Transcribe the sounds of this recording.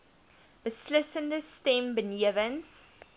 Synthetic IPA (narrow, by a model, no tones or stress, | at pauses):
məslɪsə̃ndəstɛ̃mbəniəvə̃ns